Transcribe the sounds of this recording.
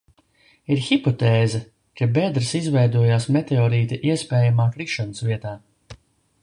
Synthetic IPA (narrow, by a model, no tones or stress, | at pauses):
iɾxipɔt̪ɛːzɛ | kabʲɛd̪ɾɨsizvɛjd̪uɔjaːsmɛt̪eɔːɾiːt̪iʔiɛspɛːjamaːkɾiʃɔnɨsvʲiɛt̪aː